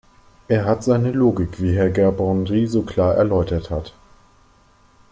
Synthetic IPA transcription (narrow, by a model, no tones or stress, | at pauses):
ʔeːɐɦatz̥aɪnəloːɡɪkv̥iːɦɛɐɡɛɐbʁɔndʁiːzoːkl̥aːɐʔɛ̰ɐlɔʏtɐthat